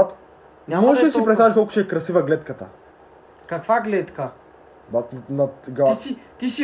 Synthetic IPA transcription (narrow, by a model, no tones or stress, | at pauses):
at̪ | nʲamɔʃɛd̪ɐsipɾɛt̪t̪aviʃt̪olˠku̥t͡ʃɛɛkɾɐsivɐɡlɛt̪kət̪ə̰ | kakvaɡlɛt̪ka | bat̪nat̪ɡisit̪isi